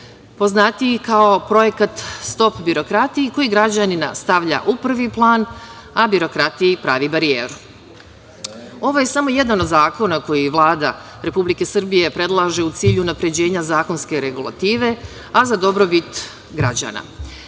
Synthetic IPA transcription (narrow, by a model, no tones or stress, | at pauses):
po̞znat̪ikao̞pɾo̞jekat̪st̪o̞pbiɾo̞kɾat̪iiko̞jiɡɾad͡ʑanina̰st̪aʋʎa̰ʔupr̩ʋiplˠaːn | abiɾo̞kɾat̪iipɾaːʋibaɾijeːɾu | o̞ʋo̞je̞samo̞je̞d̪ano̞d̪zaːko̞nako̞jiʋlˠaːd̪a̰ | ɾe̞publike̞sɨr̩bije̞pɾe̞d̪lˠaʒe̞ut̪siːʎuunapɾe̞d͡ʑe̞ːɲazaːko̞nske̞ɾe̞ɡulˠa̰t̪iːʋe̞ | azad̪o̞bɾo̞bit̪ | ɡɾa̰d͡ʑa̰ːna̰